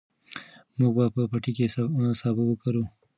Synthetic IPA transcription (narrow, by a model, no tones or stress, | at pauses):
muɡbapəpaʈikessɑbawəkaɾu